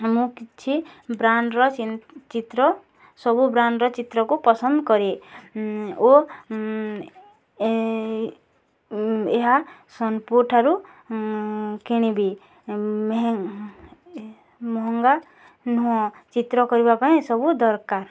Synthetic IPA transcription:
mũkit͡ʃʰibɾanɖɾɔt͡ʃit̪ɾɔ | sɔbubɾanɖɾɔt͡ʃit̪ɾɔkupɔsʌnd̪kɔɾe | o | eɦasʌnpuɾʈʰaɾu | kiɽ̃ibi | mɦ | mɔɦɔŋɡa | nuɦɔ̃t͡ʃit̪ɾɔkɔɾiβapaĩsɔbud̪ɔɾkaɾ

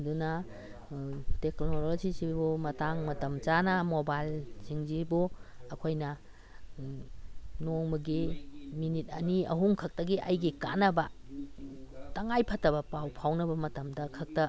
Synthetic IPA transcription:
dunɐ | teknoɾsisibumɐtaŋmɐtɐmt͡ʃanɐmobajlziŋzibuɐkʰojnɐ | noŋmɐɡiminit̚ɐniɐ̰ɦuŋkʰɐk̚tɐɡiʔɐjɡikanɐbɐ | tɐŋajpʰɐtɐbɐpawpʰawnɐbɐmɐtɐmdɐkʰɐk̚tɐ

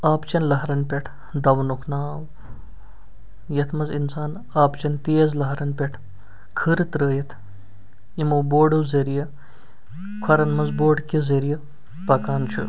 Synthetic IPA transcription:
aːpt͡ʃɐnlɐɦɾɐnpʲeʈʰ | d̪ɐʋnukʰnaːw | jɐt̪ʰmɐzinsaːn | aːpt͡ʃɐnt̪eːzlɐɦɾɐnpʲeʈʰ | kʰɨɾt̪ɾəːjɐt̪ʰ | imɐboːɖuwzɐɾijɐ | kʰɐɾɐnmɐzboːɽkizeɾijɐ | pɐkaːnt͡ʃʰṵ

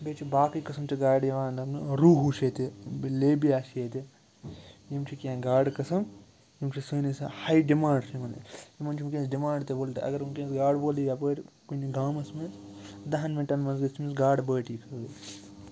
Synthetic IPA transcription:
beːt͡ʃʰibaːkikɐsɐmt͡ʃʰiɡaːɽjiʋaːnd̪ɐnɨɾuːɦuʃet̪ibleːbiaːʃjet̪i | jimt͡ʃʰikʲãːɡaːɽkɐsɐm | jimt͡ʃʰisəːnisahɐjɖimãːɳɖsʰimɐnɨ̰jimɐnt͡ʃʰimkẽːsɖimaːɳɖt̪eboːlt̪ɨ̰ɐ̰ɡɐɾumkẽːsɡaːɽboːlijapəːʈkuniɡaːmɐsmisd̪ɐɦɐnmeʈɐnmɐnzɡɐmisɡaːɖbəːʈiːkʰɐ

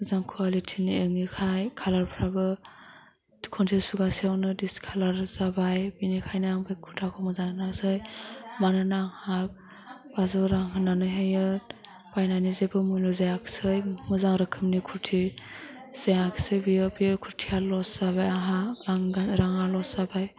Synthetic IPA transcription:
muzaŋkʰuwalitʰiniɯŋikʰajkʰalaɾpʰɾabɯ | kʰɔntʰesuɡasiawnɯdiskʰalaɾzabajbinikʰajnaaŋbɯjkʰuɾtʰakʰɔmɯzannasɯjbanɯnaŋhab̚ | b̥azɔɾaŋhɯnanɯɦejɯt̚ | b̥ajnajnizebɯmujlɔzajakʰsɯjmuzaŋɾɯkʰɯmnikʰuɾtʰi | z̥ejakʰsɯjbijɔbijɯkʰuɾtʰialɔsz̥abajaɦaaŋɡaɾaŋalɔszabaj

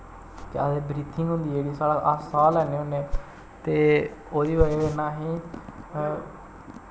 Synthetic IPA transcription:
t̪eːad̪eːbɾiːt̪ʰɪŋɡɦʊ̃nd̪iːeːɽiːsaːɽaʔəsaːlɛːneːɦʊnẽː | t̪eːoːd̪iːʋəeenaːɦĩː

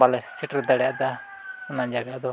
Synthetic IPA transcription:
alɛsiʈɾd̪aɽɛjaʔd̪a | ʊnad͡ʒaɡad̪ɔ

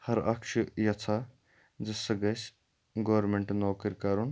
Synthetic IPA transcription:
hɐɾɐkʃʰujɐt͡s̪ʰa | d͡ʒɐsɐɡɐs | ɡoːɾmeɳʈnoːkiɾʲkɐɾun

